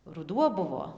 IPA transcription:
rʊˈduɔ ˈbʊʋoː

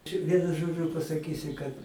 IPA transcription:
t͡ʃʲɛ ˈʋʲiɛnʊ ˈʒoːd͡ʒʲʊ pɐsɐˈkʲiːsʲɪ kɐt

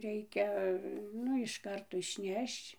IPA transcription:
ˈrʲɛɪkʲɛ ˈnʊ ɪʃ ˈkɐrtoː ɪʃʲˈnʲɛʃt͡ʃ

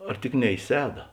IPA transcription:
ɐr ˈtʲɪk nʲɛ ɪ ˈsʲæːdɐ

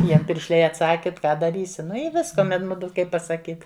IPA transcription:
ˈjiɛm pʲɪrʲʃʲˈlʲɛɪ ɐtˈsɑːkʲɪ t ˈkɑː dɐˈrʲiːsʲɪ ˈnʊ ɪ ˈʋʲɪskɐ ˈmʲɛn ˈmʊdʊ ˈkɐɪp pɐsɐˈkʲiːt

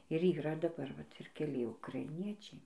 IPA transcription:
ɪr iːˈrɐ dɐˈbɐr ʋɐt ɪr kʲɛˈlʲɪ ʊkrɐɪˈnʲiɛt͡ʃʲɛɪ

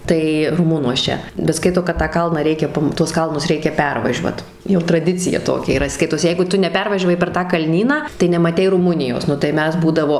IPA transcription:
ˈtɐɪ rʊˈmʊnuɔs ˈt͡ʃʲɛ bʲɛt ˈskɐɪtoː kɐt tɑː ˈkɐlˠnɑː ˈrʲɛɪkʲɛ ˈpɐm tuɔs ˈkɐlˠnʊs ˈrʲɛɪkʲɛ ˈpʲɛrʋɐʒʲuɔt jɛʊ trɐˈdʲɪt͡sʲɪjɛ ˈtoːkʲɛ iːˈrɐ ˈskɐɪtoːs ˈjɛɪɡʊ ˈtʊ nʲɛˈpʲɛrʋɐʒʲɛʋɐɪ pʲɛr ˈtɑː kɐlʲˈnʲiːnɑː tɐɪ nʲɛmɐˈtʲɛɪ rʊˈmʊnʲɪjoːs ˈnʊ tɐɪ ˈmʲɛs ˈbuːdɐʋoː

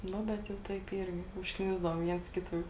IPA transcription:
ˈnʊ ˈbʲɛt jɛʊ ˈtɐɪp ˈiːrʲɡʲɪ ʊʃkˈnʲɪzdɐʋoːm ˈʋʲiɛns ˈkʲɪtɐ ˈjɛʊ

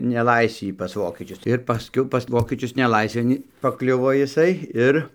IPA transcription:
nʲɛˈlˠɐɪsʲʋʲiː pɐs ˈʋoːkʲɛt͡ʃʲʊs ɪr pɐsʲˈkʲɛʊ pɐs ˈʋoːkʲɛt͡ʃʲʊs nʲɛˈlˠɐɪsʲʋʲeːn pɐˈklʲʊʋoː jɪˈsɐɪ ˈɪr

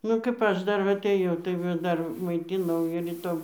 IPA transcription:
ˈnʊ kɐp ˈɐʃ ˈdɐr ʋɐ ɐˈtɘjɛʊ tɐɪ ˈʋɐ ˈdɐr mɐɪˈtʲɪnɐʊ ɪr ˈɪtoːm

